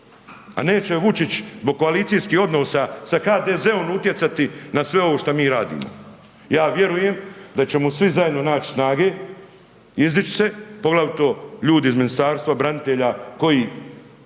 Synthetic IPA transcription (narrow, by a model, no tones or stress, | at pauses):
a̰ne̞ːt͡ʃeʋut͡ʃit͡ʃzbo̞ɡ̚ko̞alit̪sijskiːho̞d̪nosasaxaːd̪eːze̞o̞nut̪je̞t̪sat̪inasʋe̞oʋoʃt̪amiːɾaːd̪ḭːmo̰ | jaːʋje̞ɾuje̞md̪at͡ʃe̞musʋizaje̞d̪no̞naːt͡ʃi̥snaːɡe̞ | izit͡ʃse̞po̞ɡlˠaʋit̪o̞ʎuːd̪izminist̪aːɾst̪ʋabɾanit̪e̞ʎako̞jiː